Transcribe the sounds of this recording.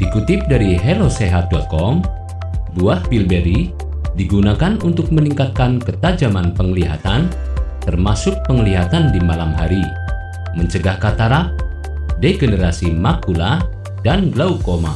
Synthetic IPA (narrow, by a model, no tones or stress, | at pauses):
d̥ikut̪ɪp̚daɾiɦeloseɦat̪̚dakɔm | buahbilbeɾi | diɡunakanunt̪ʊk̚məniŋkat̪̚kankət̪ad͡ʒamanpəŋəliɦa̰t̪an | t̪ərmasʊk̚pəŋliɦat̪andimalamɦaɾi | məɲt͡ʃəɡahkat̪aɾap̚ | deɡənəɾasimakula | danɡlaukoma̰